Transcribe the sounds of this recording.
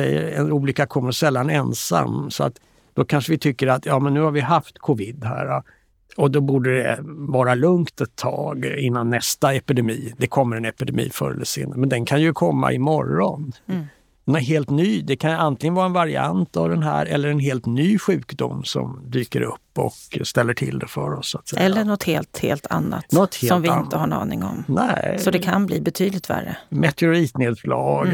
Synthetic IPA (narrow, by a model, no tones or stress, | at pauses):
ɛjːə̰ɾɛnuːlikakʰɔmːəʂɛlːanɛnsa̰msɔa̰t̪ | d̪̥ɔkʰanʂəvɪt̪ʰʏkːəɾat̪jɑːmɛnːʉ̟ːhaɾvɪɦaft̪kʰʊvɪd̪ːhæ̰ːɾa | ɔd̪ɔbuːɖədɛ̰vɑːɾalɵŋkt̪ɛt̪ʰːɑ̰ːɡɪnːanːɛst̪aɛpɪd̪ɛmiːd̪ɛkʰɔmːəɾɛnɛpɪd̪ɛmḭːfœ̰ːɾə̰ləsɪ̰ːnːəmɛnd̪ɛnkʰanjɵkʰɔmːa̰ʔɪmɔɾːɔn | ɦeːlt̪nyːd̪ɛkʰanjant̪lɪɡənvɑːɾaɛnvaɾɪant̪avd̪ɛnɦæːɾɛlːəɾɛnɦeːlt̪nyːɧʉ̟ːkd̪ʊmːsɔ̰md̪yːkəɾɵpːɔ̰kst̪ɛlːəʈʰɪld̪ɛfœɾɔsːʊat̪sɛɛlːəɳɔt̪heːlt̪heːlt̪ʰa̰nːa̰t̪nɔt̪hɔmvɪɪnt̪əhaɳɑ̰ːnɪŋɔ̰mnɛsɔd̪ɛkʰanbliːbɛt̪ʰyːd̪lɪt̪væ̰rːə̰mɛt̪ɛʊɾiːt̪neːd̪slɑːɡ